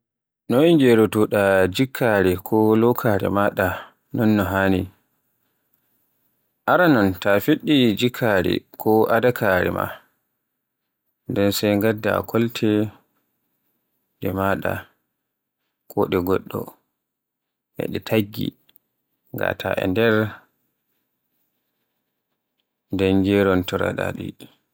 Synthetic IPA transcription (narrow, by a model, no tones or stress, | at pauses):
nɔŋd͡ʒɛɾɔtuɗad͡ʒikʰːaɾɛkʰɔlɔkʰaɾɛ̰maɗa | nɔnːɔɦaːni | ʔaɾanɔntafiɗːid͡ʒikʰːaɾɛ̰kʰɔʔadakʰaɾɛ̰ma̰ | ndɛnsajŋɡadːa̰kʰɔltʰɛ | dɛmaɗa | kʰɔɗɛɡɔɗːɔ | hɛ̰ɗɛtʰaɡːḭ | ŋɡa̰tʰaʔɛ̰ndɛɾ | dɛnd͡ʒɛɾɔntɔɾa̰ɗa̰ɗi